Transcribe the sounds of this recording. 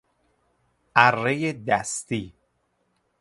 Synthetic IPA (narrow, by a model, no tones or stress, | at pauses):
ʔæɾːejed̪æst̪iː